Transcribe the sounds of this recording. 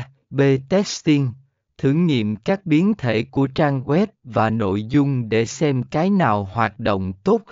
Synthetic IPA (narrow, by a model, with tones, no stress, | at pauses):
ɓe˧t̪ɛ˦˥st̪i˧ŋ | t̪ʰɨ˧˩ŋŋḭ˧˨əmkaː˦˥k̚ɓi˨˦ənt̪ʰe˧˩ku˧˩ət͡ɕaː˧ŋɣwɛ˦˥t̚vaː˨˩no̰˧˨jzʊ˧ŋ͡mɗe˧˩sɛ˧mkaː˨˦jnaː˨˩whwaː˨˩t̚ɗo̰˧˨wŋ͡mt̪o˦˥t̚